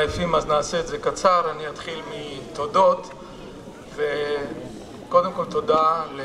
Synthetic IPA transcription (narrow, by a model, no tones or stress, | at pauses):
ajafimaznaːseetze̞kat͡saʁaniat̪χilmit̪o̞do̞t | ve | ko̞d̪emko̞lt̪o̞d̪ale